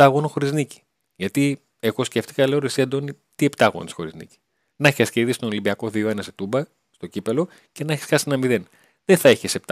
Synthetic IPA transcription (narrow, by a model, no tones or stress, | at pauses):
t̪ɐɣonoxo̞ɾiznici̥ | ʝɐt̪i | eɣo̞sce̞ft̪i̥kɐle̞oɾesiɐd̪o̞ni | t̪ie̞pt̪ɐɣo̞̰nisxo̞ɾḭznḭci̥ | nɐçiɐsceðist̪onlimbiɐko̞ðio̞enɐset̪ubɐ | st̪o̞cipelo̞ | ce̞nɐçi̥sxɐsienɐmiðe̞n | ðeθɐeçesept̪